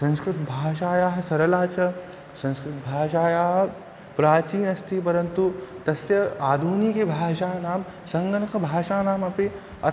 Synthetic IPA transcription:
sɐ̃nskɾɪt̪bʱaːʃaːjaːɦɐ̆sɐɾɐlaːt͡ʃɐ | sɐ̃nskɾɪt̪bʱaːʃaːjaːɦɐ | pɾaːt͡ʃiːnɐst̪ʰipɐɾɐnt̪ut̪ɐsjɐaːd̪ʱuːnikebʱaːʃaːnaːm | sɐŋɡɐnɐkɐbʱaːʃaːnaːmɐpe | ɐ

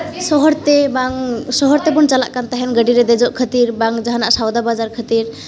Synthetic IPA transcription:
sɔɦɔɾt̪ɛbaŋsɔɦɔɾt̪ɛbunt͡ʃala̰ʔkant̪aɦɛnɡəɖiɾɛd̪ɛd͡ʒɔʔkʰət̪iɾbaŋd͡ʒaɦanaʔsawd̪abad͡ʒaɾkʰət̪iɾ

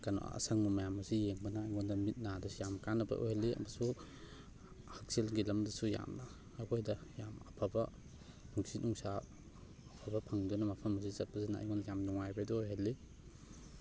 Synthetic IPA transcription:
kano̰ɐ̰sɐŋmɐmɐjamɐsijeŋbɐnɐːjŋɔndɐmit̚nadɐsijamkanɐbɐ̰ʔo̰jhɐlːiɐ̰mɐsu | hɐk̚silɡilɐmdɐsuja̰mnɐː | kʰojdɐjamɐpʰabɐ | nuŋsinuŋsaː | pʰabɐpʰɐŋdunɐmɐpʰɐmɐs̬izɐt̚pɐsinaa̰jŋɡɔndɐjamnuŋajbɐdoojɦɐlːi

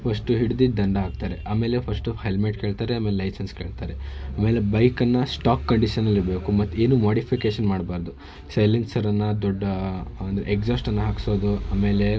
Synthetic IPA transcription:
pʰɐsʈuɦiɽud̪id̪ɐɳɖɐɦaːɡ̚t̪aːɾeʔaːme̞ːle̞pʰɐsʈuɦelmeʈkeːɭt̪aːɾeaːmeːlelɐjsenske̞ːɭt̪aːɾeaːmeːlebɐjkɐnːɐsʈaːkːɐɳɖiʃɐnːɐlːiɾbe̞ːkumɐt̪ːe̞ːnuːmoːɖipʰikeːʃɐnmaːɽbaːɾd̪u | sɐjlensɐɾɐnːɐd̪ɔɖːɐɐnd̪ɐɾeekd͡ʒaːsʈɐnːɐɦakso̞ːd̪uaːme̞ːle̞

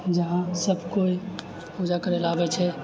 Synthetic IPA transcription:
d͡ʒəɦãsəbʱkoi | pud͡ʒakəɾelaːbɛt͡ʃʰɛ

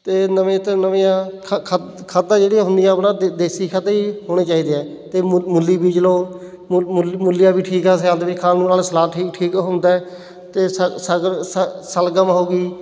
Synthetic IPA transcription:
t̪eːnəʋẽːt̪enəʋeːãː | kʰ | kʰəd̪ãːd͡ʒeːɽijãːɦʊnd̪ijãːəpnãːd̪eːsiːkʰəd̪aːiːɦoːɽ̃eːt͡ʃaːiːd̪eːɛː | t̪eːmʊlːiːbiːd͡ʒəlõː | mʊlːɪjãːbiːʈʰiːkɛːs̬ãːd̪ʋɪt͡ʃkʰaːlnũːnaːlːsəlaːʈʰiːk̚ʈʰiːkɦʊ̃nd̪aːɛ | t̪eːsəsəəsəlɡəmːoːɡiː

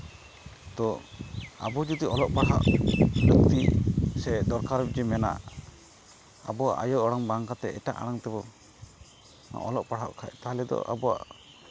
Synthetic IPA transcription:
t̪ɔ | a̰bɔd͡ʒud̪iɔlɔʔpaɽa̰ʔbək̚tt̪isɛd̪ɔɾkaɾbɛd͡ʒɛmɛna̰ | a̰bɔwaʔa̰jɔʔɔɽɔŋbaŋkat̪ɛɛʈa̰ʔa̰ɽaŋt̪ɛbɔ | n̰ʔɔlɔʔpaɽɦaʔkʰa̰ʔ̚t̪aɦlɛd̪ɔ̰ʔa̰bɔwa̰ʔ

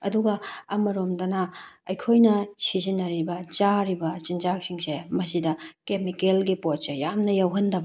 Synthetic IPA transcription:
ɐduɡɐɐmɐɾomdɐnɐɐjkʰojnɐsizinɐɾibɐt͡ʃaɾibɐt͡ʃinzak̚siŋsemɐs̬idɐkemikelɡipot̚sejamnɐjawɦɐndɐb

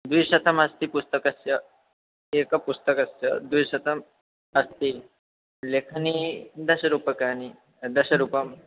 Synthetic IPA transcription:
d̪ujɕɐt̪əmɐst̪ipust̪əkɐst͡ʃə | ekɐpust̪əkɐst͡ʃə̰d̪ujɕɐt̪əm | ɐst̪i | lekʰnid̪ɐɕɐɾupəkani | d̪ɐɕɐɾupɐm

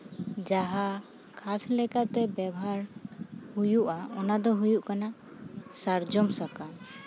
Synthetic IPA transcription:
d͡ʒaɦa | kʰaslɛkaʔt̪ɛbjabɔɦaɾhujuʔaɔnad̪ɔɦujuʔkanasaɾd͡ʒɔmsaka

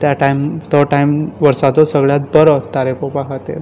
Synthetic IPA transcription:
t̪jaʈajmt̪əʈajmʋəɾsat̪osəɡɭjat̪̚bəɾət̪aɾepopakat̪ḛɾ

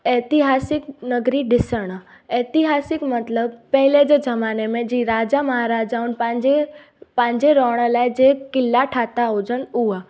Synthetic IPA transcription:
eːt̪ɪɦaːsɪknəɡɾiɖɪsəɽ̃a | eːt̪ɪɦaːsɪkmət̪ləbpɛɦled͡ʒed͡ʒəmaːnemẽd͡ʒiɾaːd͡ʒaməɦaɾaːd͡ʒaunpãd͡ʒe | pãːɲd͡ʒeɾɔːɽ̃əlajd͡ʒekɪlːaʈʰaːt̪aɦod͡ʒənua

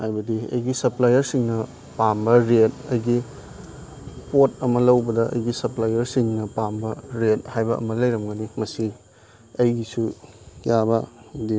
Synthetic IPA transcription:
hajbɐdiɐ̰jɡisɐplajɐɾsiŋnɐ | pambɐɾet̚ɐjɡi | pot̚ɐmɐlɐwbɐdɐʔɐ̰jɡisɐplajɐɾsiŋnɐpambɐɾet̚hajbɐʔɐ̰mɐlɐjɾɐmɡɐnimɐsi | ɐjɡisujabɐdi

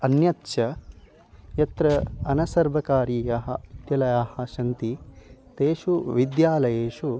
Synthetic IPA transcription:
ɐnjɐt̪ʃɐ | jɐt̪ɾɐɐnɐsɐɾʋɐkaːɾiːjaɦɐd̪jɐlɐjaːhɐʃɐnt̪it̪eːʃuʋid̪jaːlɐjeːʃu

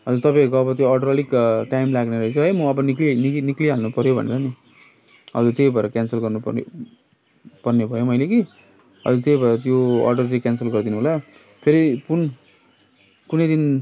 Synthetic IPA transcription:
ɦʌd͡zuɾt̪ʌpãĩkoʌbʌt̪joʌrɖʌɾʌlikʈaimlaɡneɾʌt͡sʰʌɦʌjmʌʌbʌniklininikliɦalnupʌɾjobʱʌ̰nḛɾʌni | ʌ̰d͡zurt̪ejbʱʌeɾʌkʲjansʌlɡʌrnup | pʌrnebʱʌjomʌjleɡi | ʌ̰d͡zurt̪ejbʱʌeɾʌt̪̬joʌ̰rɖʌrt͡sʌ̃kʲjansʌlɡʌrd̪inuɦola | pʰeɾipun | kunʌjd̪in

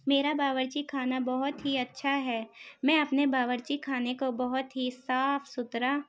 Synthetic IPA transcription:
meːɾabaːʋəɾt͡ʃikʰaːnabɐɦʊt̪ɦiɐtːʃʰaɦɛːmɛ̃ɐpnebaːʋəɾt͡ʃikʰaːnekobɐɦʊt̪ɦisaːfʰsʊt̪ɾaː

